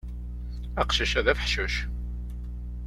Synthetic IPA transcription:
æqʃəʃæðæfəħʃəʃ

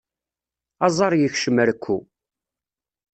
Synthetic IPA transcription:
ɑzˤɑɾˤjəçʃəməɾkʰʷːu

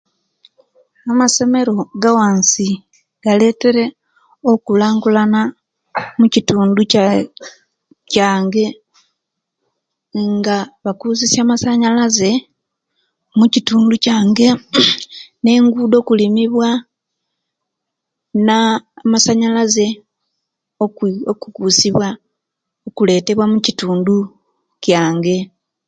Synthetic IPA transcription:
amase̞me̞ɾo̞ɡawaːnsi | ɡ̥ale̞ːte̞ɾe̞ | okulaːŋɡulana | mucituːnduc | caːŋɡe̞ | ŋɡaβakuːzisjaːmasaɲalaze̞ | mucituːnducaːŋɡe̞ | ne̞ːŋɡuːdo̞ːkulimiβwa | naːmasaɲalaze̞ | ookukuːsiβwa | okule̞ːte̞βwamucituːndu | caːŋɡe̞

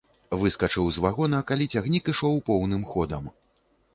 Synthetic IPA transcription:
vɨskɐt͡ʂɨwzvaɣɔnɐkalʲit͡sʲaɣnʲikiʂɔwpɔwnɨmxɔd̪ɐm

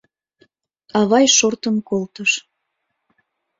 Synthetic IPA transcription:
ɑβɑjʃort̪ənkolt̪əʃ

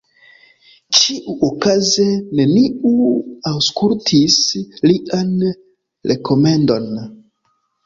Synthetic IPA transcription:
t͡ʃiʔuokaze̞ne̞niuawskultʰisliʔan | ɾʔe̞kʰo̞me̞ndo̞n

